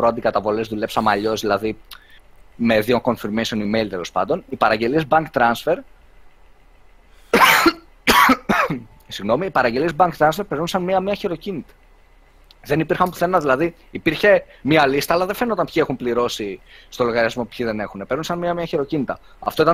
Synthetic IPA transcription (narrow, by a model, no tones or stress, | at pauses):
pɾoɐnd̪ikɐt̪ɐvo̞le̞zðule̞psɐmɐʎo̞zðilɐði | me̞ðio̞ŋko̞nfiɾmejso̞nimeilt̪elo̞spɐ̰nd̪o̞nipɐɾɐɟe̞liezbɐŋkt̪ɾɐnsfe̞ɾ | siɣno̞miːpɐɾɐɟeliezbɐŋkt̪ɾɐnsfe̞ɾpe̞ɾnunsɐnmiɐmiɐçiɾo̞cinit̪ɐ̥ | ðe̞nipiɾxɐmpu̥θe̞nːɐðilɐði | ipiɾçe̞miɐlist̪ɐːlɐðefe̞not̪ɐnpçie̞xumpliɾo̞sist̪o̞lo̞ɣɐɾiɐzmo̞pu̥pçiðe̞ne̞xunepe̞ɾnunsɐnmiɐmiɐçiɾo̞cinit̪ɐ | ɐ̰ft̪o̞it̪ɐ